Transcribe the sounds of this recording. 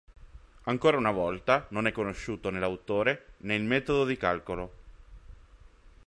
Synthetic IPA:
aŋkoːɾaunavɔlt̪anonɛkːonoʃːuːt̪onelawt̪oːɾenelmɛːt̪od̪od̪ikalkolo

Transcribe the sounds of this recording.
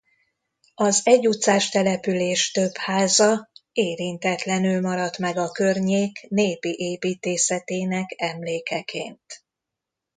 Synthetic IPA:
ɒzɛɟut̪saːʃt̪ɛlɛpyleːʃt̪ø̞phaːzɒeːɾint̪ɛt̪lɛnylmɒɾɒt̪mɛɡɒkørɲeːkneːpiʔeːpiːt̪eːsɛt̪eːnɛkɛmleːkɛkʰḛːnt̪

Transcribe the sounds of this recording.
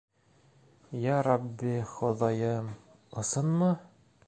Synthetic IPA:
jæɾɑbːiχŏðɑjɤ | ŏsɤnmɤ

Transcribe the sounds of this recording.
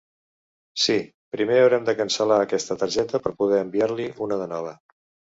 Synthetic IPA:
si | pɾimeəwɾɛmd̪əkənsəlaəkɛst̪ət̪əɾʒɛt̪əpəɾpuð̞ɛəmbiaɾliʔunəðənɔβ̞ə

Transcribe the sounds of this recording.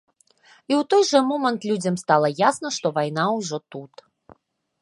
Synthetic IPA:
iwt̪ɔjʐɛmɔmɐnt̪lʲud͡zʲɐmst̪alˠɐjasnɐʂt̪ɔvajn̪awʐɔt̪ut̪

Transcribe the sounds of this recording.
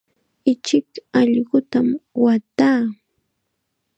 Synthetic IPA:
ɪt͡ʃɪkɑʎɢʊt̪amwat̪aː

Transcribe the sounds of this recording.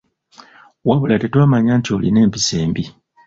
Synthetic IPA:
waβulatetwaːmaɲaːntio̞ːline̞ːmpiseːmbi

